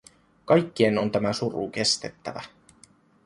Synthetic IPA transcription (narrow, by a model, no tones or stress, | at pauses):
kɑjkːie̞no̞nt̪æmæsurṵke̞st̪e̞t̪ːæ̰ʋæ̰